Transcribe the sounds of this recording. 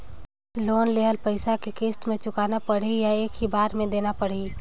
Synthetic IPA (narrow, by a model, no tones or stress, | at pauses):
loːnleɦəlpəɪsakekeːsʈ̪mẽt͡ʃʊkaːnapəɽijaeːkɦibaːɾmẽd̪eːnapəɽi